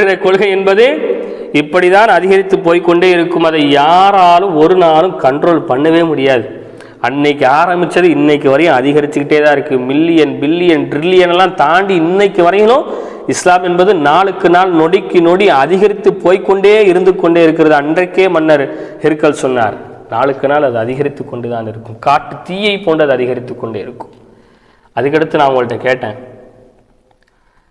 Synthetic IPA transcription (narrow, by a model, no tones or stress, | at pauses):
ɾɐkɔɻɣɐɛnbɐðɯ | ɪpːɐɽit̪aːnɐðɪɣɐɾɪt̪ːɯpːoːjkːɔɳɖeːɪɾɯkːɯmɐðɐjaːɾaːlɯmɔɾɯnaːlɯmkɐɳɖɾoːlpɐɳːɐʋeːmʊɽɪjaːðɯ | ɐnːɐɪkːɯaːɾɐmbɪt͡ʃːɐðɯɪnːɐɪk̬ːɯʋɐɾɐjɐ̃ɐðɪɣɐɾɪt̪ːɯkɪʈːeːt̪ãːɪɾɯkːɯmɪlːɪjɐnbɪlːɪjɐnɖɾɪlːɪjɐnɛlːãːt̪aːɳɖiɪnːɐɪkːɯʋɐɾɐjɐlõː | ɪslaːmɛnbɐðɯnaːɭɯkːɯnaːlnɔɽɪkːɯnoɽiɐðɪɣɐɾɪt̪ːɯpːoːjkːɔɳɖeːɪɾɯnd̪ɯkːɔɳɖeːɪɾɯk̬ːɪɾɐðɯɐndrɐkːeːmɐnːɐɾhɪɾɯkːɐlsɔnːa̰ːɾnaːɭɯkːɯnaːlɐðɯɐðɪɣɐɾɪt̪ːɯkːɔɳɖɯt̪aːnɪɾɯkːɯmkaːʈːɯt̪iːjɐɪpːoːɳɖɐðɯɐðɪɣɐɾɪt̪ːɯkːɔɳɖeːɪɾɯkːɯ̥m | ɐðɯkːɐɽɐt̪ːɯnaːŋŋɐɭɯʈːɐkeːʈːḛ̃ː